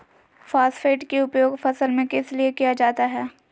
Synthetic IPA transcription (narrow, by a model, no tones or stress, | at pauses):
faːsfeːʈkeʊpjoːɡfɐsəlmẽkɪsliekijad͡ʒaːt̪aɦɛː